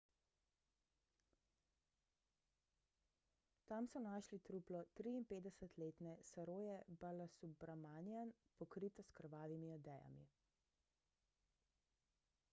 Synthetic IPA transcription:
t̪amsɔnaːʃlit̪ɾuːplɔt̪ɾiːnpeːd̪ɛsət̪leːt̪nɛsaɾoːjɛbalasubɾamanjan | pɔkɾit̪ɔskəɾʋaːʋimiɔd̪ɛːja̰mḭ

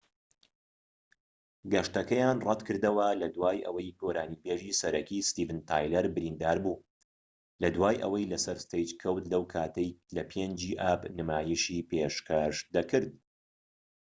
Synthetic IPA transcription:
ɡɐʃt̪ɐkɐjaːnrˤɐd̪kʰɨɾd̪ɐwɐlɐd̪waːjʔɐ̰wɐjkʰoːɾaːniːbeʒiːsɐɾɐkist̪iːvɨnt̪ʰaːjlɐɾbɨɾind̪aːɾbu | lɐd̪waːjʔɐ̰wɐjlɐsɐɾst̪ejt͡ʃkʰɐwt̪lɐwkʰaːt̪ʰɐjlɐpʰend͡ʒiːʔaːbnɨmaːjiʃipʰeʃkʰɐʃd̪ɐkʰɨɾd̪̚

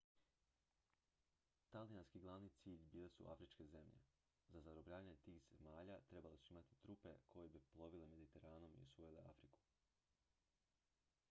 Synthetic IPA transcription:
t̪alianskiɡlˠaʋniːt̪siːʎbiːle̞sṵʔa̰fɾit͡ʃke̞ze̞mʎe̞̰ | zazaɾobʎaːaɲet̪iːxz̥emaːʎat̪ɾe̞balesuimat̪i̥t̪ɾupe̞̰kʰo̞jebiplˠo̞ʋileme̞d̪it̪e̞ɾaːno̞mḭosujileafɾiku̥

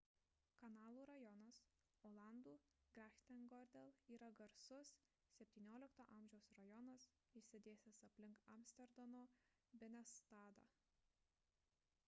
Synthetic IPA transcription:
kɐnɑːlˠuːɾɐjɔnɐs | oːlˠɑˑnd̪uː | ɡɾʲæxʲt̪ʲɛnɡɔɾʲd̪ʲɛlˠiːɾɐɡɐɾsʊs | sʲɛpʲt̪ʲiːnʲoːlʲɪkt̪oːʔɐmʲʒʲɛʊsɾɐjɔnɐs | isʲɪd̪ʲeːsʲɪsɐpʲlʲɪŋkɐ̰msʲt̪ʲɛɾd̪ɐnoː | bʲɛnʲɛst̪ɑːd̪ɐ̰

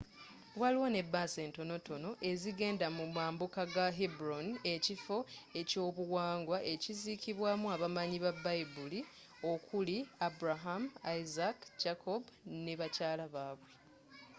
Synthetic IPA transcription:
waliwone̞bːaːse̞ːnto̞no̞to̞no̞ʔe̞ziɡe̞ːndamumaːmbukaɡaɦibuɾone̞cifo̞e̞co̞ːβuwaːŋɡwaʔe̞cizikiβwaːmuaβamaɲiβabːajbuli | o̞kuliabuɾaɦamaizakd͡ʒakʰobuneβacaːlaβaːβwe̞

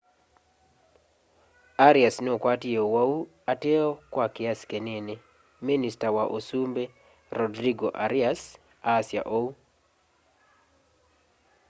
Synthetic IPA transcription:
aɾɪasnokwatɪowau | ateɔkwakɪaskenene | ministawaʔosumbe | ɾɔdɾiɡoʔaɾɪas | asɪa̰ʔou

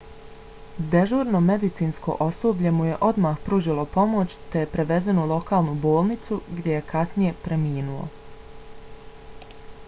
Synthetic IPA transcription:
d̪eʒoːɾno̞me̞d̪it̪siːnsko̞̰ʔo̞soːbʎe̞muje̞ʔo̞d̪maːxpɾuːʒilˠo̞po̞mo̞t͡ɕt̪ejpɾe̞ʋe̞zenulˠo̞kaːlˠnubo̞ːlˠnit̪suɡd̪ʲjeje̞kʰasnije̞pɾe̞miːnuo̰

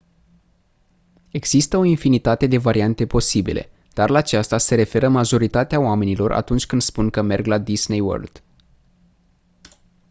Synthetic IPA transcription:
e̞ɡz̥ist̪əo̞infinit̪at̪e̞d̪e̞vaɾiant̪e̞po̞sibḭlʔḛ | d̪̥arlaːt͡ʃast̪ase̞ɾe̞fe̞ɾəmaʒo̞ɾit̪at̪eaoame̞nilo̞rʔa̰t̪unt͡ʃʲkɨnd̪spunkəme̞rɡlad̪iznejwə̰rld̪̥

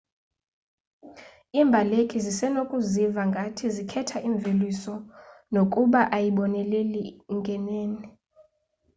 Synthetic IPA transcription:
imbʱalekʰʼizisɛnokʼuzivaŋɡʱatʰizikʰɛtʰaʔiɱb̪velisɔnokʼuɓaʔajiɓɔnɛleliŋɡʱɛneːni

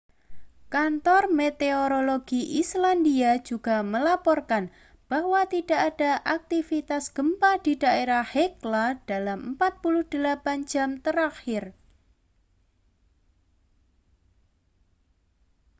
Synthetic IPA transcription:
kant̪ɔrmet̪eoɾoloɡ̥iʔislandiḁd͡ʒuɡ̥aməlapɔrkan | b̥ahwat̪idaʔad̥aʔak̚t̪ifit̪asɡ̥əmpad̥id̥aʔeɾahheklad̥alammpat̪̚pulʊhd̥əlapan̥d͡ʒ̥amt̪əɾaxɪr

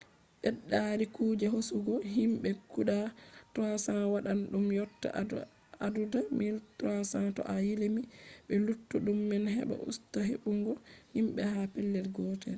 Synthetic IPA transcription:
ʔɛɗːaɾikuːd͡ʒɛɦosuɡɔɦimɓɛkuɗatasawaɗanɗumjɔtːa̰ | adudamiltɾasatɔ̰ʔajilimiɓɛlutːuɗumːɛnhɛ̰ɓɛ̰ʔṵstaɦeɓuŋɡɔhimɓɛhapɛlːɛlɡɔtɛ̰l

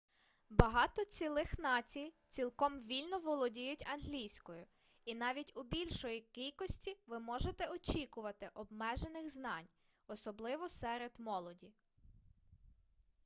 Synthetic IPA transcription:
bɐɦɑt̪ɔt͡sʲilˠɪxnɑt͡sʲij | t͡sʲilˠkɔmʋʲilʲnɔʋɔlˠɔdʲijʊtʲɐnɦlʲijsʲkɔjʊ | inɑʋʲitʲʊbʲilʲʃɔjikijkɔsʲtʲiʋɪmɔʒet̪ɛɔt͡ʃʲikʊʋɐt̪ɪʔɔbmɛʒenɪxznɑnʲ | ɔsɔblˠɪʋɔsɛɾed̪mɔlˠɔdʲi

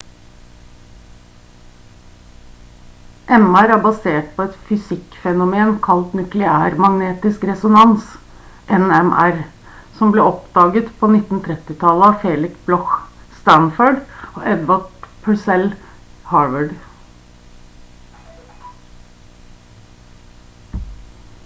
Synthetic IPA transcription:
ʔɛmæɾæːɾbɑseːʈpʰɔɛt̪fʏsɪkfɛnʊmeːnkʰɑlt̪nʏklɪæːɾmɑŋneːt̪ɪskɾɛsʊnɑns | ʔɛnɛmʔæɾ | sɔmbleːɔpd̪ɑːɡət̪pʰɔnɪt̪ːn̩t̪ʰɾɛt̪ːɪt̪ʰɑləɑfeːlɪksblɔxst̪ænføːɖoːʔɛd̪ʋɑʈpʰəsɛl | hɑːɹʋəɖ

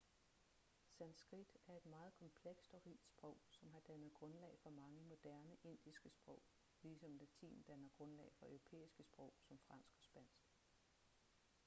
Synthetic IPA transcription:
sænd̥sɡ̥ʁid̥æɐe̝d̥mɑ̈ːð̩ˠkʰɒ̽mpʰleɡ̥sd̥ɒ̽ʁiːd̥sb̥ʁɔ̽ʊ̰sɒ̽mɦɑ̈d̥ænəð̩ˠɡ̥ʁɔ̽nlɛ̰ɪfɒ̽mɑ̈ŋəmo̝d̥æɐnəʔe̝n̰d̥isɡ̥əsb̥ʁɔ̽ʊ̰ | liːsɒ̽ml̥æt͡sʰḭːnn̩d̥ænɐɡ̥ʁɔ̽nlɛ̰ɪfɒ̽ʔœʊʁo̝pʰḛːisɡ̥əsb̥ʁɔ̽ʊ̰sɒ̽mfʁɑ̈n̰sɡ̥ɒ̽sb̥æn̰sɡ̥

